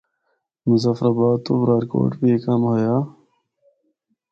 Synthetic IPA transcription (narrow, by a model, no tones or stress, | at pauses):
muzafɾaːbaːd̪t̪ːo̰ːbɾaːɾko̰ːʈbiekamhoːjaː